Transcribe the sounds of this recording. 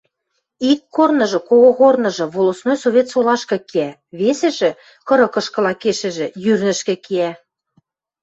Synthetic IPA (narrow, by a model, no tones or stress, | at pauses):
ikːornɤ̆ʒɤ̆koɣoɣornɤ̆ʒɤ̆βolosnojsoβʲet̪solɑʃkɤ̆kiæ | βesĕʒĕ | kɤ̆ɾɤ̆kɤ̆ʃkɤ̆lɑkeʃɘ̆ʒĕjyɾnɘ̆ʃkĕkiæ